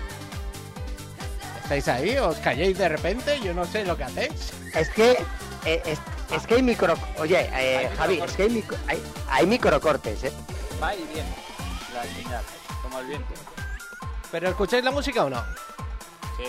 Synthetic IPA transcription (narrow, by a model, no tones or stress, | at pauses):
est̪ajsaioskaʝejzðe̞repẽ̞nt̪e̞ʝo̞no̞se̞lo̞ke̞aθe̞js | eske | eʔeseskeajmikɾokoʝe̞exaβieskeajmikaja̰jmikɾokoɾt̪e̞sebajβjen | lalfiɲal | komoelβjend̪i | pe̞ɾo̞eskut͡ʃajzlamus̬ikaono̰ | si